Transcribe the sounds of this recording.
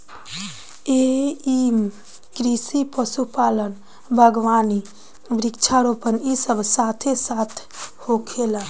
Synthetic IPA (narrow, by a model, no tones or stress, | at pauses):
eim | kɾisipəsupalən | bʱəɡʋani | bɾikt͡ʃʰaɾopənisəbʱsat̪ʰesat̪ʰ | hokʰela